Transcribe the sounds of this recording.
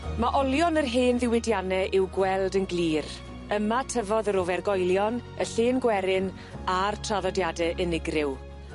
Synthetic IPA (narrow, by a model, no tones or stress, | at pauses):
maʔɔlˠjɔnərɦeːnðɪwɪdjanɛʔɪwɡwɛlˠdənɡliːr | əmatʰəvɔðəɾovɛrɡɔjlˠjɔn | əɬeːnɡwɛɾɪn | artʰraðɔdjadɛʔənɪɡrɪw